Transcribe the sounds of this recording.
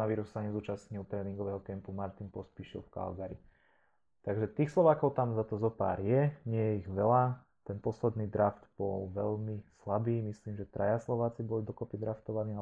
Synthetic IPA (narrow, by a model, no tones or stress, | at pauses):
naʋiːɾussaɲɛzuːt͡ʃasɲilt̪ɾɛːniŋɡɔʋɛːɦɔkɛmpumaɾt̪inpɔspiʃḭlfka̰lɡaɾḭ | t̪aɡʒɛt̪iːxslɔʋaːkɔʊt̪amzat̪ɔzɔpa̰ːɾjɛɲɪɛjɛiɣʋɛla | t̪ɛnpɔslɛd̪niːd̪ɾaft̪b̥ɔlʋɛlmislabiːmisliːmʒɛt̪ɾʔajaslɔʋaːt͡sibɔlid̪ɔkɔpid̪ɾaft̪ɔʋaniːa